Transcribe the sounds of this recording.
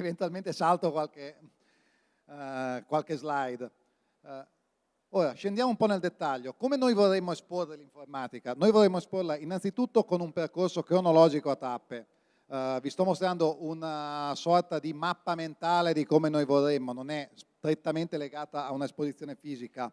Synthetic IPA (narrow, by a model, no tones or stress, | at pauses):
event̪ualment̪esalt̪okwalke | kwalkezlajd̪ | oːɾaʃend̪jaːmoumpɔneld̪et̪ːaʎːokomenojvorːemːoesporːeliɱformaːt̪ikanojvorːemːoesporlainːansit̪ut̪ːokonumperkorsokɾonolɔːd͡ʒikoat̪ːapːe | vist̪ɔmːost̪ɾand̪oʔunasɔrt̪ad̪imapːament̪aːled̪ikomenojvorːemːononɛst̪ɾet̪ːament̪eleɡaːt̪aːunaespozit̪sjoːnefiːzika